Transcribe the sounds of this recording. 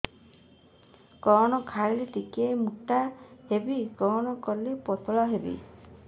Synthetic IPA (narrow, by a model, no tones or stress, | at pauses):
kɔñɔkʰaɾileʈikiejmuʈahebikɔnɔkɔlepɔt̪ʰɔɭɔɦebḭ